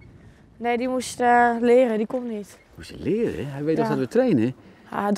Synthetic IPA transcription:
neːdimuslɪːrədikomnit | musəlɪːrə̰ɦɛjʋeːtɔxdɔtʋətreːnə | a̰d

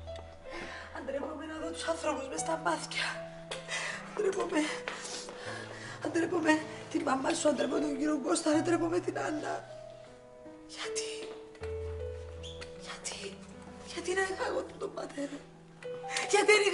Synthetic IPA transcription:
ɐnd̪ɾepo̞menɐðot̪usɐnθɾo̞puzmest̪ɐmɐθcɐ | ɐnd̪ɾepome | ɐnd̪ɾepomet̪imːɐmːɐsuɐnd̪ɾepomet̪oɟiɾoŋɡost̪ɐnɐnd̪ɾepomet̪inɐlːɐ̰ | ʝ̥ɐt̪i̥ | ʝɐt̪ʰi̥ | ʝɐt̪inɐɣɐɣonnt̪ombɐt̪eɾɐ | ʝɐt̪ieni

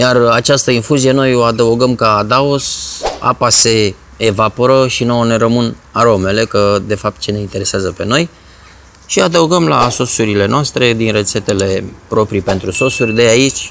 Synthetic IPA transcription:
jarat͡ʃast̪əinfuzije̞no̞jo̞ad̪əuɡəmkaːd̪aosa̰pase̞ː | vapo̞ɾəʃinone̞ɾəmɨn | aɾo̞me̞le̞kəd̪e̞fap̚t̪̚t͡ʃe̞ne̞int̪eɾe̞seazəpe̞no̞j | ʃiad̪əuɡəmlaso̞suɾile̞noast̪ɾe̞d̪inre̞t̪se̞t̪e̞le̞pɾo̞pɾipe̞nt̪ɾuso̞surʲd̪e̞ait͡ʃʲ

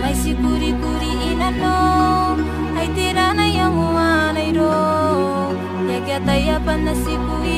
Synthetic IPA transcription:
majsikuɾikuɾiʔːnano | ajt̪eɾanajaŋuanajɾo | jakiat̪ajapanːasikui

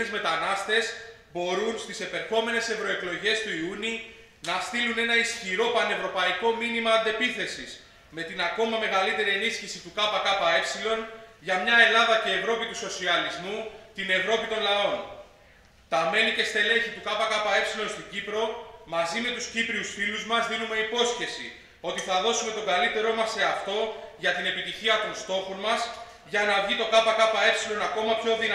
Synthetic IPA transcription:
ezme̞t̪ɐnɐst̪e̞s | bo̞ɾunst̪ise̞pe̞ɾxo̞me̞ne̞se̞vɾo̞e̞klo̞ʝe̞st̪uiuni | nɐst̪ilune̞nɐisçiɾo̞pɐne̞vɾo̞pɐiko̞minimɐːnd̪e̞piθe̞siz̥ | me̞t̪inɐko̞mɐme̞ɣɐlit̪e̞ɾie̞nisçisit̪ukɐpɐkɐpɐe̞fsilo̞nʝɐmɲɐe̞lɐðɐce̞ːvɾo̞pit̪uso̞siɐlizmut̪ine̞vɾo̞pit̪o̞nlɐo̞n | t̪ɐme̞nice̞st̪e̞le̞çit̪ukɐpɐkɐpɐe̞fsilo̞nst̪oɟipɾo̞mɐzime̞t̪uscipɾiusfiluzmɐzðinume̞ipo̞sçe̞sḭ | o̞t̪iθɐðo̞sume̞t̪o̞ɡɐlit̪e̞ɾo̞mɐse̞ɐft̪o̞ʝɐt̪ine̞pit̪içiɐt̪o̞nst̪o̞xonmɐs | ʝɐnɐvʝit̪o̞kɐpɐkɐpɐe̞fsilo̞nɐko̞mɐpço̞ðin

